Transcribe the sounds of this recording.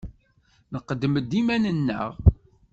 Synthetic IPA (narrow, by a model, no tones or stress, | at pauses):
nəqːəd̪əməd̪ːimænənːə̰ʁ